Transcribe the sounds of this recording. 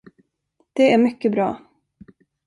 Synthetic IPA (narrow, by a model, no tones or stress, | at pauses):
d̪̥ɛæɾmʏkːəbɾɑ̰ː